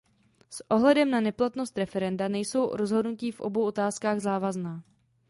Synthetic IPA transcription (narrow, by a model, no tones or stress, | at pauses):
sʔo̞ɦlɛdɛmnanɛplat̪nost̪ɾɛfɛɾɛndanɛjso̞wɾo̞zɦodnuciːfʔo̞̰bo̞wʔot̪aːskaːɣzaːvaznaː